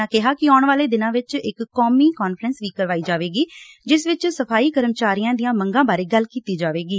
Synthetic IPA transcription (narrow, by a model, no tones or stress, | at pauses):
ãːkɪɦaːkɪɔːʊɳʋaːleːd̪ɪnãːʋɪt͡ʃɪkːɔːmiːkɔːnfɾənsʋiːkəɾʋaːiːd͡ʒaːʋeːɡiː | d͡ʒɪsʋɪt͡ʃsəpʰaːiːkəɾəmt͡ʃaːɾijãːd̪ijãːməŋɡãːbaːɾeːɡəlkiːt̪iːd͡ʒaːʋeːɡiː